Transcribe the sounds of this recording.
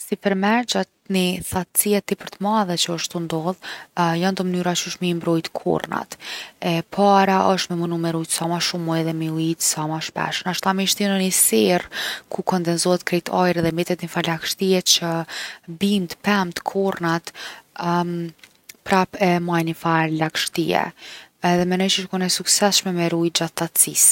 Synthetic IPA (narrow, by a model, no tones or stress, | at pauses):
sipəɾmɛɾd͡ʑat̪niθat̪t͡siɛt̪ːipəɾt̪əmaðɛt͡ɕəəʃt̪und̪ɔðjand̪əmənyɾat͡ʃəʃmimbɾɔjt̪kʰɔ̰rna̰t̪ɛpʰaɾaʔəʃt̪mɛmunumɛɾujt̪samaʃumujðɛmiuit̪samaʃpɛ̰ʃənaʃt̪amiʃt̪inənisɛrkʰukɔnd̪ɛnzɔhɛt̪kɾɛt̪ʰajɾɛðɛmbɛt̪ɛt̪nifalakʃt̪iɛt͡ɕəbimt̪pɛmt̪ə̥kʰɔɾnat̪ | pɾapɛmajnifalakʃt̪iɛ̰ɛðɛmɛnɔjt͡ʃəʃkunɛsuksɛsʃmɛmɛɾujt̪̚d͡ʑaθat̪t͡sis